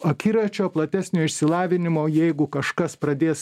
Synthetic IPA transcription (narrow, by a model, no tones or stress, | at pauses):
ɐkʲiːɾɐt͡ʃʲoːplˠɐt̪ʲæsʲnʲoːɪʃʲsʲɪlˠɑːʋʲɪnʲɪmoːjɛɪɡʊkɐʃkɐspɾɐd̪ʲeːs